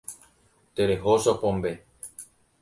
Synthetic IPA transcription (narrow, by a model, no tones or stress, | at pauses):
t̪eɾeɦoʃopõmbe